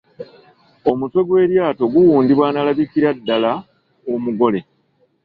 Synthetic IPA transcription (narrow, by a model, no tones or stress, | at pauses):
o̞mutwe̞ɡwe̞ːɾjaːto̞ɡuwuːndiβwaːnalaβikiɾadːala | omuɡo̞le̞